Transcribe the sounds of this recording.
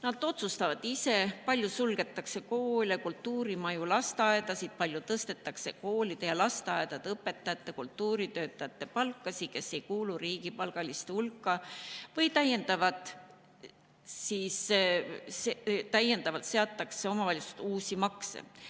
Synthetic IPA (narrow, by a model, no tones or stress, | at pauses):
nɑd̪̥o̞t̪sust̪ɑvɑd̪̥ise̞pɑlʲjusulɡ̥e̞t̪ːˑɑkse̞ko̞ːlʲekult̪ːuːɾimɑjulɑst̪eɑe̞d̪ɑsid̪̥̚pɑlʲjut̪ɤst̪e̞t̪ːˑɑkse̞ko̞ːlid̪̥ejɑlɑst̪eɑed̪̥ɑd̪̥eɤpːe̞t̪ːˑɑjɑt̪ˑːe̞kult̪ːuːɾit̪ø̞ːt̪ːˑɑjɑt̪ːe̞pɑlkːɑsike̞sːe̞jkuːluɾiːɡ̥ipɑlɡ̥ɑlist̪eulkːɑvɤjt̪æje̞nd̪̥ɑvɑd̪̥ | siːs | set̪æje̞nd̪ɑvɑlt̪se̞ɑt̪ːˑɑkse̞o̞mɑvɑlʲjust̪uːsʲimɑksḛ